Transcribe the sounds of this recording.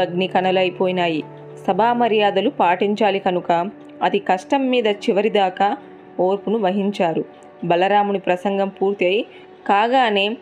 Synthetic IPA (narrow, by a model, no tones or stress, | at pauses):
ɐɡnikɐnɐlɐjpoːjinaːji | sɐbʱaːmɐɾjaːd̪ɐlupaːʈiɲt͡ʃaːlikɐnukɐ | ɐd̪ikɐʂʈɐmːiːd̪ɐt͡ʃiʋɐɾid̪aːka | oːɾpunuʋɐɦiɲt͡ʃaːɾu | bɐlɐɾaːmunipɾɐsɐŋɡɐmpuːɾt̪iɐji | kaːɡaːne̞ː